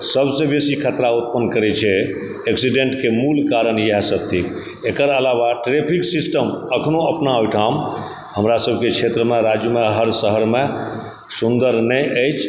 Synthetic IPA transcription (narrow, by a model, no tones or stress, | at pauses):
səbʱsebesikʰət̪ɾaut̪̚pənkəɾɛt͡ʃʰɛ | eksiɖeɳʈkemulkaɾənjəɦsət̪ʰi | ekəɾəlaβaʈɾepʰiksisʈəməkʰnoəpnaujʈʰam | ɦəmɾasəbʱkekt͡ʃʰet̪ɾəmeɾad͡ʒjumeɦəɾsəɦəɾme | sund̪əɾnəjəjt͡ʃʰ